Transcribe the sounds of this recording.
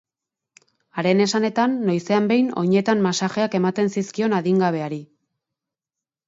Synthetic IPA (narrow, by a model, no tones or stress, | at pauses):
aɾe̞ne̞sane̞t̪anːo̞jse̞ambe̞jno̞̰ɲe̞t̪ammasaxe̞ake̞mat̪e̞nsiskio̞naðiŋɡaβ̞e̞aɾi